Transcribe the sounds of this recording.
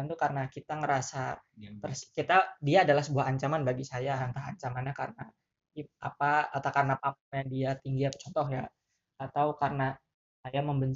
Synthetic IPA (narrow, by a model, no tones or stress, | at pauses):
nt̪ukarənakit̪aŋəɾasapərskit̪adiaːdalahsəbuaɦːɲt͡ʃamanbaɡisajaant̪aɦaɲt͡ʃamanɲakarəna | ia̰paat̪akarənapampuŋjadiat̪iŋɡiapə̥t͡ʃɔnt̪ɔhjaː | t̪awkarəna | sajaməmbəɲt͡ʃ